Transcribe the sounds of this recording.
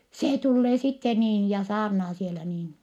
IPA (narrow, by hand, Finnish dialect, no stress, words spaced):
seː tulːeː sitːe niːn jɑ sɑːrnɑː sielæ niːn